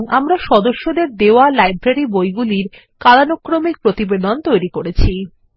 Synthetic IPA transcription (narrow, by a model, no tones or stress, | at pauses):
ŋamɾaʃɔd̪oʃːod̪eɾd̪eoalajbɾaɾibojɡuliɾ | kalanokːɾomik̚pɾot̪ibed̪ont̪ojɾikoɾet͡ɕʰi